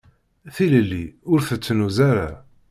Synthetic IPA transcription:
θiləlːiʊɾθət͡sːnuzaɾa̰

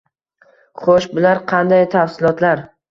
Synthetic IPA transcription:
χoʃbʊlaɾqʰɑnd̪ajt̪ʰafsɪlˠɒt̪laɾ

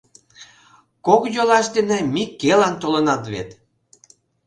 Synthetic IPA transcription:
kokjolɑʃd̪enemikːelɑnt̪olɤnɑt̪βḛt̪

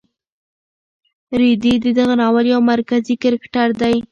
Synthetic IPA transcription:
ɾid̪id̪əd̪aɣanɑwəljawmaɾkazikɪɾɪkʈaɾd̪aj

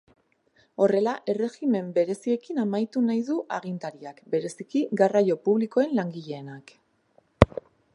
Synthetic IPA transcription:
o̞re̞laʔe̞re̞ɣime̞mbe̞ɾe̞sie̞kinamajt̪unajðuʔaɣint̪aɾiakbe̞ɾe̞sikiɡarajo̞puβliko̞e̞nlaŋɡiʎe̞ːnak

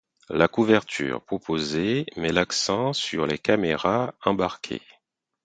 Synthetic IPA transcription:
lakuvɛʁt̪ʰy̰ːʁpχɔpʰozemɛlaksɑ̃syʁlekameʁaɑ̃baʁkʲʰḛ

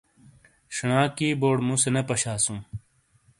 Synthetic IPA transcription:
ɕɳãːkiːboːɽmũsenɐpɐɕaːsũː

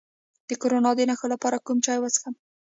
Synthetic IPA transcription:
d̪̥əkoɾonɑd̪ənaxolapɑɾakumt͡ʃɑjwasə̥xam

